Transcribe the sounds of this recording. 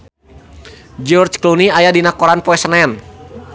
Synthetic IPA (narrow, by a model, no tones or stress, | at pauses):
d͡ʒɔrd͡ʒkluniajadinakɔɾanpɔɛsnɛn